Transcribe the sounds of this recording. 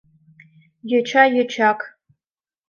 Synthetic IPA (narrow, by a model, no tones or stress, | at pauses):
jɛt͡ʃʰajɛt͡ʃʰakʼ